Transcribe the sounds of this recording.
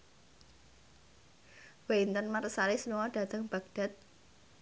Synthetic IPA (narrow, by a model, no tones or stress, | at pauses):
weint̪ənmarəsaɾisəmuwɔɖ̥a̤t̪əŋb̥a̤ɡ̚d̥a̤t̪̚